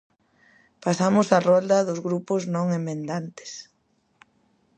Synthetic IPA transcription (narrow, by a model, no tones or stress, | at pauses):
pasamʊsarɔld̪ɐðʊzɣɾupoznõŋemẽnd̪ant̪ɪ̥s